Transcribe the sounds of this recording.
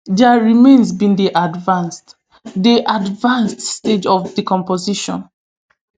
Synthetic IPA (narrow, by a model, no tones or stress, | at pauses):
dɛaɹimẽnsbĩndeʔadvãnst | deʔadvãnststed͡ʒɔfdikɔ̃mpoziʃɔ̰̃n